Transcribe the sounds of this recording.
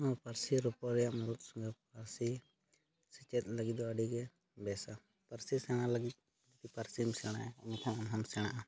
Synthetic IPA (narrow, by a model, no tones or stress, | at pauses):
nɔpaɾsiɾɔpɔɾɛjaʔmɔɾut̪̚sɔŋɡɛpaɾsi | sit͡ʃɛt̪̚ˀləɡit̪̚d̪ɔaɖiɡɛ | bɛsa | paɾsisɛɽ̃aləɡit̪̚ˀ | d͡ʒit̪ipaɾsimsɛɽ̃aɛɔmɛt̪ʰaŋamɦamsɛɽ̃aʔa